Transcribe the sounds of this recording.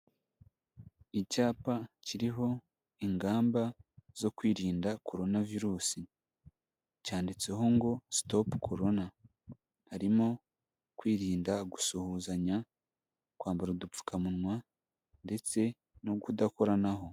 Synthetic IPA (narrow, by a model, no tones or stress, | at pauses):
icaːpaciɾiɦo̞ | iŋɡaːmbazo̞kwiːɾiːndakʰo̞ɾo̞naviɾuːsi | caːndit͡se̞ɦo̞ŋɡo̞stopkʰo̞ɾo̞na | haɾimo̞ | kwiːɾiːndaɡu̥suhuːzaɲa | kwaːmbaɾudup͡fu̥kamunŋwa | nde̞t͡se̞ | noɡudako̞ɾanaɦo̞